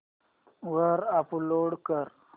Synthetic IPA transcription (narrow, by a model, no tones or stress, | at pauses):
wəɾaploɽkəɾ